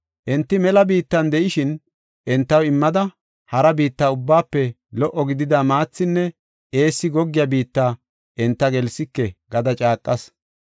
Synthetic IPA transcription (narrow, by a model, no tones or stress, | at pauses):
ʔɛnt̪ːɪmɛlɐbiːt̪ːɐnd̪ɛʔɪʃɪn | ʔɛnt̪ːɐwɪmːɐd̪ɐ | hɐɾɐbiːt̪ːaːʊbːaːpːɛ | lɔʔɔɡɪd̪ɪd̪amaːt͡sːɪnːɛ | e̞ːsːɪɡɔɡːɪjɐbiːt̪ːaː | ʔɛnt̪ːɐɡɛlsɪkːɛɡɐd̪ɐt͡ʃʼaːkʼːɐs